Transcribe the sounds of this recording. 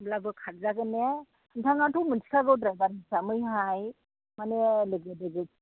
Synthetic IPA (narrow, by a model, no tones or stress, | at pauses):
blabɯkʰat̚zaɡɯne | ntʰaŋatʰuwmɯnsʰi̥kʰaɡɯwdɾajbaɾisamɯjɦaj | manelɯɡɯdɯɡɯ